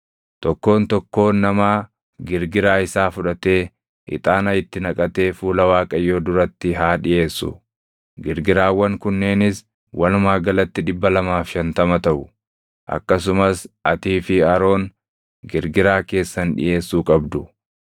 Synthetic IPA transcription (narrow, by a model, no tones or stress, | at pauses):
t̪ɔkːo̞ːnt̪ɔkːo̞ːnːɐmaː | ɡɪɾɡɪɾaːɪsaːfʊᶑɐt̪e̞ː | ʔɪ̰t̪ʼaːnɐjɪt̪ːɪnɐkʼɐt̪e̞ːfuːlɐwaːkʼɐjːo̞ːd̪ʊɾɐt̪ːɪɦaːᶑɪʔe̞ːsːʊ̰ | ɡɪɾɡɪɾaːwːɐŋkʊnːe̞ːnɪs | wʔɐlʊmaːɡɐlɐt̪ːɪᶑɪbːɐlɐmaːfʃɐnt̪ɐmɐt̪ɐʔʊ | ʔɐ̰kːɐs̬ʊmɐsʔɐt̪iːfɪɐɾo̞ːn | ɡɪɾɡɪɾaːke̞ːsːɐnᶑɪ̰ʔe̞ːsːuːkʼɐbd̪ʊ